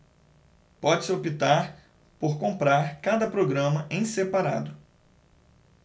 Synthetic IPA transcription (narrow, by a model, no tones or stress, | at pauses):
pɔd͡ʒɪsɪopit̪aɾ | poɾkõmpɾaɾkad̪ɐpɾoɡɾɐ̃mɐʔẽj̃sepaɾa̰d̪ʊ